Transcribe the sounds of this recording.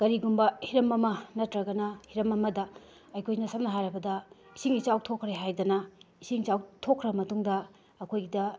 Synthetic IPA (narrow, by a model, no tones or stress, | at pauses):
ɡ̥ɐɾiɡumbɐhiɾɐmɐmɐnɐtɾɐɡɐnɐhiɾɐmɐmɐdɐ | ɐjkʰojnɐsɐmnɐɦaɾɐbɐdɐ | isiŋit͡ʃawtʰokʰɾeɦajdɐnɐisiŋt͡ʃawtʰokʰːɾɐbɐmɐtuŋdɐː | kʰojɡidɐ